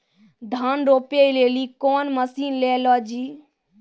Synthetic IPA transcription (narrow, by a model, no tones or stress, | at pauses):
d̪ʱaːnɾoːpeleːlikɔːnməsiːnleːlɔd͡ʒiː